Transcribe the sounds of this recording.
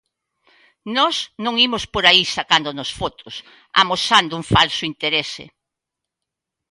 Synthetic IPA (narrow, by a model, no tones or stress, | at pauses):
nɔsnõŋimʊspoɾaisakand̪onosfot̪ʊs | a̰mosand̪ʊuŋfalsʊint̪eɾesḛ